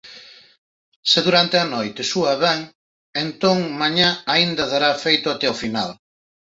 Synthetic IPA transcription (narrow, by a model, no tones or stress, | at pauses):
sɪðuɾant̪eanojt̪esuɐβɛŋ | ent̪oŋmaɲaaind̪ɐðaɾafejt̪ʊat̪ɛofinal